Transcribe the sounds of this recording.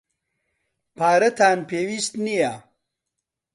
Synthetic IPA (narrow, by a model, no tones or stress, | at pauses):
paːɾɐt̪ʰaːnpeːwist̪nija